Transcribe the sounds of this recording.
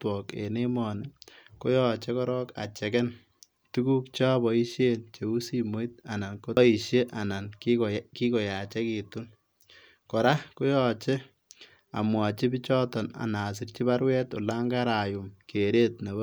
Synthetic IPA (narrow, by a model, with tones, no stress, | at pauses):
twɔ˨kḛ˨ne˦mɔ˨ne˨ko˦jɔ˦t͡ʃe˦kɔ˦ɾɔ˦ka̰˨t͡ʃɛ˨kɛ˦n | tu˦ku˦k̚t͡ʃa˦bɔ˨i˦ʃje˦nt͡ʃe˨u˦si˦mo˦it̚a˨na˨nko˦i˨ʃje˦ʔa˨na˨nkki˦ko˨ja˨t͡ʃɛ˦ki˨tu˦n | kɔ˨ɾa˦ko˦jɔ˨t͡ʃe˦ | a̰˨mwa˨t͡ʃi˦bi˦t͡ʃɔ˦tɔ˨na̰˨na˨s̬i˨rt͡ʃi˦βa˦ɾwɛ˦to̰˨la˦ŋɡa˦ɾa˨ju˨mkʰe˨ɾe˦t̚ne˨b